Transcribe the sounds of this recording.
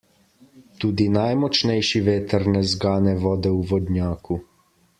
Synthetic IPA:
t̪uːd̪inajmɔt͡ʃnɛjʃiʋeːt̪ɛɾnɛzɡaːnɛʋɔːd̪ɛuʋɔd̪njaːku

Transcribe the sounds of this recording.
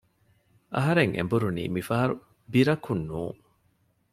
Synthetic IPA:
ʔɐ̰ɦɐɾeŋʔḛmbuɾunḭːmifɐɦɐɾu | biɾɐkunːuːŋ

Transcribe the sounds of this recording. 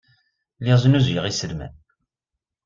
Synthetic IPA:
liʁznuzjəʁisəlmæ̰n

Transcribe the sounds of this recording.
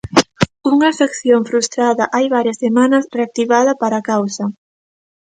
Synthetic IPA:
uŋɐsekθjoŋfɾust̪ɾaðɐʔajβaɾjɐsːemanɐsreak̚t̪iβaðɐpaɾakawsɐ

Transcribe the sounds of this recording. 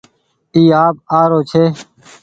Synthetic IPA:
t̪iːaːb̚aːɾoːt͡ʃʰeː

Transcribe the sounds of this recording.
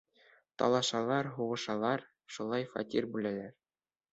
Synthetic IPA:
t̪ɑ̰lˠɑʃɑlˠɑɾɦuʁɤ̆ʃɑlˠɑɾ | ʃulˠɑjfɑ̰t̪ʲiɾbʉlælæɾ

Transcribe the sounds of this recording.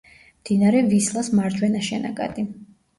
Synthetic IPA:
md̪̥inaɾɛvislˠasmaɾd͡ʒwɛnaʃɛna̰ɡʼa̰d̪̥i

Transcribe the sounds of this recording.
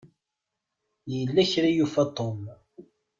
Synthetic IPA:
jəlːæçɾæjufæt̪ːom

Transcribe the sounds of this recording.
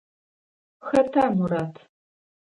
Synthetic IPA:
xɐtʰaːmuɾaːtʰ

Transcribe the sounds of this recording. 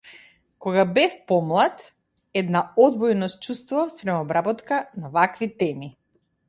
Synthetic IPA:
kɔɡabɛfpɔmlˠat̪ | ɛd̪naɔd̪bɔjnɔst̪̚t͡ʃust̪vuvafspɾɛmɔbɾabɔt̪kanavakvit̪ɛmi

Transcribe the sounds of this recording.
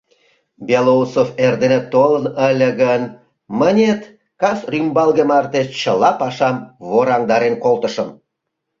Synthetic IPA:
bʲelousoferd̪enet̪olənəlʲəɣən | mənʲet̪ | kɑsrymbɑlɣəmɑrt̪et͡ɕəlɑpɑʃɑmβoɾɑŋd̪ɑɾenkolt̪əʃəm

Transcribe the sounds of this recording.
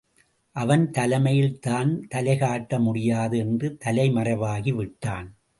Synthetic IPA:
ʔɐʋɐnt̪ɐlɐmɐjɪlt̪aːnt̪ɐlɐɪɣaːʈːɐmʊɽɪjaːðɯɛndrɯt̪ɐlɐɪmɐrɐʋaːɣiʋɪʈːaːn

